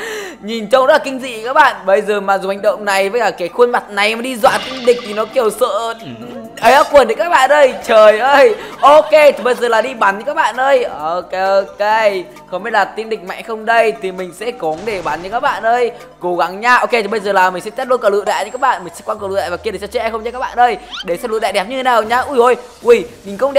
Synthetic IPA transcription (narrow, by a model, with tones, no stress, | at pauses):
ɲi˨˩nt͡ɕɔ˧wŋ͡mza˦t̚laː˨˩kï˧ŋ̟zḭ˧˨˧kaː˦˥k̚ɓa̰ː˧˨nɓə˧jzəː˨˩maː˨˩zu˨˩ha̟˨˩ɗə̰˧˨wŋ͡mna˨˩jvə˨˦aː˨˩kaː˨˦jxwə˧nma˨˩t̚na˨˩ja˨˦ɗi˧zwa̰ː˧˨nt̪i˧nɗï˨˩k̚t̪ʰi˨˩nɔ˨˦ki˧˩əwsə̰ː˧˨ | ʔə˨˦jʔaː˨˧˦kwə˨˩nə˨˦kaː˦˥k̚ɓa̰ː˧˨nʔəː˧jt͡ɕəː˨˩jʔəː˧jʔo˧ke˧t̪ʰi˨˩ɓə˧jzəː˨˩laː˨˩ɗi˧ɓa˨˦nːɨ̰˧˥kaː˦˥k̚ɓa̰ː˧˨nʔəː˧jo˧ko˧ke˧ | xə˧˦wmɓe˦˧˥t̚laː˨˩t̪i˧nɗï˨˩k̚ma̰˧˨ŋxə˧wŋ͡mɗə˧jt̪ʰi˨˩mï˨˩ŋ̟sɛ̰˧˥kɔ˨˦nɗe˧˩ɓa˨˦nːɨ̰˧kaː˦˥k̚ɓa̰ː˧˨nʔəː˧j | ko˨˦ɣa˨˦ŋɲaː˧ʔo˧ke˧t̪ʰi˨˩ɓə˧jzəː˨˩laː˨˩mï˨˩ŋ̟sɛ̰˧˥t̪ɛ˦˥t̚lnkaː˨˩lɨ̰˧˨ɗa̰˧˨jɨ̰˧kaː˦˥k̚ɓa̰ː˧˨nm̟˨˩sɛ̰˧˥kwa˧klɨ̰˧˨ɗa̰˧˨˩vːki˧əe˧˩t͡ɕɔ˧˩t͡ɕe˧˦ʔjxə˧wŋ͡mt͡ɕa˧kːaː˦˥ɓa̰ː˧˨ʔəː˧jɗe˧˩slɨ̰˧˨ɗɛ̰˧˨ɗɛ˨˩p̚ɲɨ˧t̪ʰnaː˨˩wɲaː˧ʔu˧˩jzo˧˩j | i˧˩mi˨˩ŋkʊ̰˧˥ŋ͡mɗɛ˨˩